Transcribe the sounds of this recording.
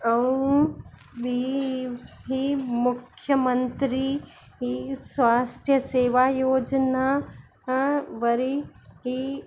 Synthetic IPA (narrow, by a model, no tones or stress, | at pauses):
ɐũ | bi | ɦimʊkʰjəmə̃nt̪ɾi | ɦisʋaːst̪ʰjəseːʋaːjoːd͡ʒna | ʋɐɾiɦi